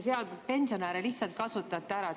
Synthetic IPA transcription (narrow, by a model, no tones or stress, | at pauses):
seɑld̪pe̞nsio̞næɾelihsɑlt̪̚kɑsut̪ːˑɑt̪ːæɾɑ